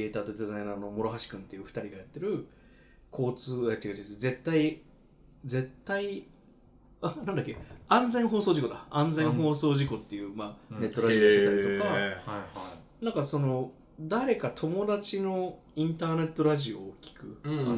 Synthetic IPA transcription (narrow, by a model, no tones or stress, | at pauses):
ieːt̪aːt̪od̪e̞zaĩnaːno̞mo̞ɾo̞ɦaɕi̥kɯ̟̃nt̪ejɯɸɯ̟̥t̪aɾʲiɡajat̪ːe̞ɾɯ̟ | kʰo̞ːt͡sɨːet͡ɕ̪ːiɡat͡ɕiaze̞t̪ːai | d͡ze̞t̪ːai | anand̪akːeãnd͡zẽ̞ɰ̃ɦo̞ːsoːʑiko̞d̪aãnd͡zẽ̞ɰ̃ɦo̞ːso̞ːʑiko̞t̪ːe̞jɯ̟ːmaːne̞t̪ːo̞ɾaʑiojkk̪ːeaɾʲit̪oka | nãŋkaso̞no̞ | d̪aɾe̞kat̪ʰo̞mo̞d̪at͡ɕino̞ | ĩnt̪aːne̞t̪ːo̞ɾaʑio̞ːkʲi̥kɯ̟a